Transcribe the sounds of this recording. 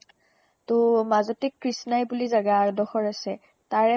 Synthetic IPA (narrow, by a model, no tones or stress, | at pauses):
tʊmazɔtikːɹisnajbulizaɡaːɹdɔxɔɹasɛ | taɹɛ